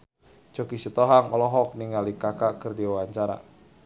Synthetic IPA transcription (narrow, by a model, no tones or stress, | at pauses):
d͡ʒokisət̪ɔɦaŋɔlɔɦɔk̚niŋalikakakərdiwawaɲt͡ʃaɾa̰